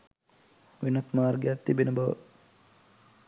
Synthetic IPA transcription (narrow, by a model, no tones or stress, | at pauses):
ʋinat̪maːrɡejat̪ːibenəbaʋə̰